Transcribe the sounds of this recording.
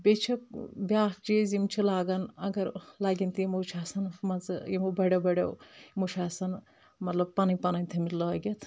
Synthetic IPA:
bʲet͡ʃʰɐkbʲaːɦt͡ʃizimt͡ʃʰilaːɡɐnɐɡɐɾlaːɡʲint̪ijimot͡ʃʰaːsɐnmɐzɨjimobɐɽɐbɐɽɐ̰wmut͡ʃʰaːsɐn | mɐt̪lɐb̚pɐnɐjʲpɐnɐnʲt̪ʰimilɐːɡʲɐt̪ʰ

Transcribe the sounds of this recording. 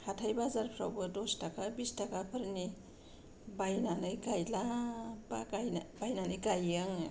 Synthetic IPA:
hatʰajbazaɾpʰɾawbɯdɔstakʰabistakʰapʰɯɾni | bajnanɯjɡajlabaajbajnanɯjɡajaŋ

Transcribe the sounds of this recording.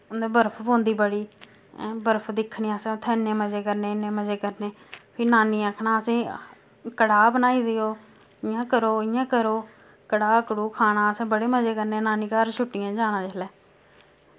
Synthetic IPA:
ʊnd̪ẽbəɾpʰbõːnd̪iːbəɽiː | bəɾpʰd̪ɪkʰːɳiːãːsẽːʊt̪ʰːẽːɪnːẽːməd͡ʒeːkəɾneːɪnːeːməd͡ʒeːkəɾneː | pʰɪnaːniːaːkʰnaːəsẽː | kəɽaːbənaːiːd̪eoː | ɪãːkəɾoːɪjãːkəɾoː | kəɽaːəkɽuːkʰaːnaːəsẽːbəɽeːməd͡ʒeːkəɾneːnaːniːkaːɾt͡ʃʰʊʈːɪjãːd͡ʒaːnãːd͡ʒəlɛː

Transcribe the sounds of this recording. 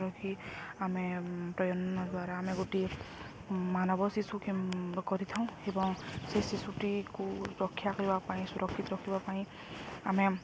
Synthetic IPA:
ɾɔkʰiamɛpɹɔjɔnɔnɔd̪waɾaːmɛɡote | manɔbɔsisukikɔɾit̪ʰaʊ̃ebɔŋsesisutikuɹɔkʰːjakɔɹibapaĩsuɾɔkʰːit̪ɾɔkʰibɔpaĩ | amɛ

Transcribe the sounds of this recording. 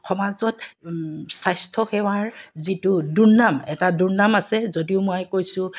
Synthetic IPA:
xɔmazɔt | sajstʰɔxɛwaɹzitʊduɹnamɛtadunamasɛzodiʊmʊajkojsʊ̃

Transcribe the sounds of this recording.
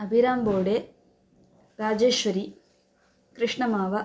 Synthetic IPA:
ɐbʱiɾaːmboːɽeː | ɾaːd͡ʒeːʃʋɐɾi | kɾɨʂɳɐmaːʋɐ

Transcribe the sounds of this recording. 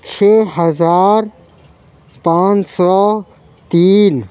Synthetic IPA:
t͡ʃʰeɦəzaːɾ | pãːnt͡ʃsɔ | t̪iːn

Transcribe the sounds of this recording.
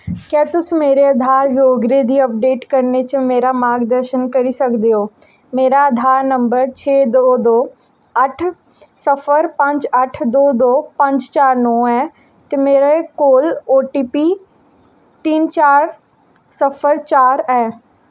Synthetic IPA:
kjaːt̪ʊsmeːɾeəd̪ʱaːɾjoːɡɾed̪iːəp̚ɖeːʈkəɾnet͡ʃəmeːɾamaːɡd̪əɾʃənkəɾisəkd̪eɦoː | meːɾaəd̪ʱaːɾnəmbəɾt͡ʃʰeːd̪oːd̪oː | əʈʰ | səfʰəɾpə̃ɲd͡ʒəʈʰd̪oːd̪oːpə̃ɲd͡ʒt͡ʃaːɾnɔːɛː | t̪emeːɾaekoːloːʈiːpiː | t̪iːnt͡ʃaːɾ | səfʰəɾt͡ʃaːɾɛː

